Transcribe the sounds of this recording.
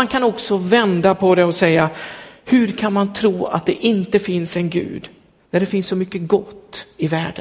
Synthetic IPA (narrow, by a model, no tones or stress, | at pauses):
ankʰanɔksɔvɛnd̪apʰɔd̪ɛɔsɛjːahɵɾkʰanmant̪ʰɾuːa̰t̪̚d̪ɛʔɪnt̪əfɪnsɛnɡʉ̰ːd̪ | næɖɛfɪnsːɔmʏkːəɡɔt̪ːɪvæ̰ːɖən